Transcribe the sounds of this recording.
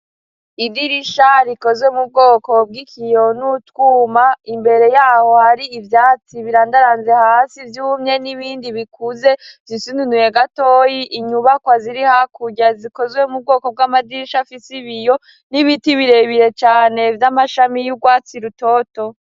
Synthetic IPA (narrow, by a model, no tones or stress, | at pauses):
idiɾiʃaɾiko̞zwemub̚ɡo̞ːko̞b̚ɡikʰijo̞nutwuːmaimbe̞ɾe̞jaːho̞haɾiːvjaːt͡siβiɾaːndaɾanzehaːsivjuːmɲe̞niβiːndiβikuze̞zzisinunuje̞ɡato̞ːjiʔiɲuβakwaziɾihakʰuɟaziko̞zwe̞mub̚ɡo̞ːko̞b̚ɡwamadiɾiʃafisiβijo̞ | niβitiβiɾe̞βiɾe̞t͡ʃaːne̞vjamaʃamijuɡwaːt͡siɾuto̞to̞